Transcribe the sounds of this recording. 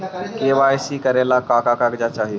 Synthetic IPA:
kebajsikəɾelakakakakd͡ʒat͡ʃaɦi

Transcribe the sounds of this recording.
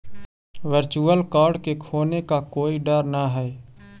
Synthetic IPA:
ʋəɾt͡ʃuəlkaːɾɖkekʰoːnekakoːiɖəɾnaɦɛ

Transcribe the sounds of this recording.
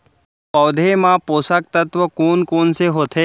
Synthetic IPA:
pəwd̪ʱemãposak̚t̪ət̪ʋəkoːnkoːnseɦot̪ʰe

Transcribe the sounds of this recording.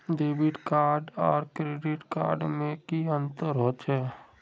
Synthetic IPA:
ɖeːbɪʈkaːɾɖɔːɾkɾeːɖɪʈka̰ːɾɖmẽkiə̃nt̪əɾɦoːt̪ɛː

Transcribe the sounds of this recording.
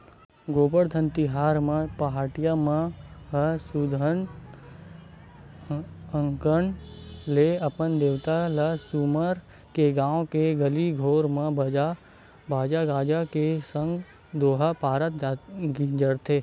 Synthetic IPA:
ɡoːpəɽd̪ʱə̃nt̪iɦaːɾmə̃pəɦaːʈɪjamãɦəsud̪ʱən | ə̃ŋkənleɐpənd̪eːʋt̪alasuməɾ | keɡãːõkeɡəliɡʱoːɾmə̃bəa | baːd͡ʒaɡaːd͡ʒakesə̃ŋɡ | d̪oːɦapaːɾət̪ɡid͡ʒəɽt̪ʰe

